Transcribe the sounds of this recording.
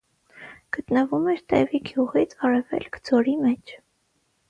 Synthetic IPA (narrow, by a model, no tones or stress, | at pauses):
ɡ̥ət̪nəvumɛɾt̪ɛ̰viɡjuʁit͡sʰɑrɛvɛ̰lkʰd͡zɔɾimɛt͡ʃʰ